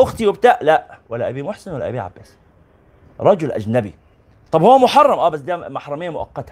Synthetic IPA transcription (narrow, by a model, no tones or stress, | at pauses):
ʔʊxt̪iwɪbt̪aːʔlæʔwælːæʔabimʊħsɪnwælːæ̰ʔæbiʕa̰bːæːs | ɾˤɑd͡ʒʊlʔæ̰d͡ʒnæbḭ | t̪ˤɑbhowːæmʊħɑrˤːɑmʔæːbæs̬d̪æːmaħɾˤɑmɪjːamʊʔɑ̰qːɑt̪hæ